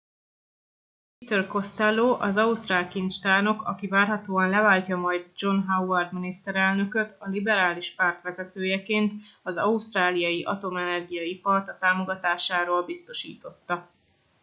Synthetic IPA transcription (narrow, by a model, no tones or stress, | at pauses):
pit̪ørko̞st̪ɛloːʔɒzɒust̪raːlkint̪t͡ʃt̪aːno̞kɒkivaːrɦɒt̪oːɒnlɛvaːlcɒmɒjd̪d͡ʒo̞nɦauɛrd̪minist̪ɛɾɛlnø̞kø̞t̪ɒlibɛɾaːliʃpart̪ʋɛzɛt̪øːjɛkeːnt̪ɒzɒust̪raːlijɒjiʔɒ̰t̪o̞mɛnɛrɡijɒipɒrt̪ɒt̪aːmo̞ɡɒt̪aːʃaːɾoːlbist̪o̞ʃḭːt̪o̞t̪ːɒ